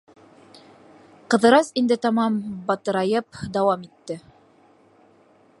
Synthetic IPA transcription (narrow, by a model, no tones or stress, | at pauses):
qɤ̆ðɤ̆ɾɑsind̪ɘt̪ɑmɑmbɑt̪ɤ̆ɾɑjɤpd̪ɑwɑmit̪ːɘ